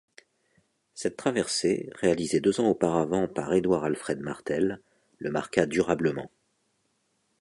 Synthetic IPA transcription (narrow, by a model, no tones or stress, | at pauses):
sɛt̪ːχavɛʁsḛʁealized̪øzɑ̃opaʁavɑ̃paʁed̪waʁalfχɛd̪ma̰ʁt̪ɛlː | əma̰ʁkad̪yʁabləmɑ̰̃